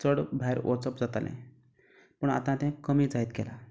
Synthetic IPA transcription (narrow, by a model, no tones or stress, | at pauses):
t͡səɽbʱajɾʋʔɔ̰sɔpd͡zat̪alʔḛ̃ | pəɳa̰t̪ãt̪ɛ̃kəmiːd͡zait̪kɛla